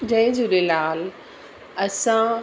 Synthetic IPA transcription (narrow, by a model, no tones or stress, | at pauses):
d͡ʑɐ̃ɦɪ̃d͡ʑũːɗelaːl | ɐsã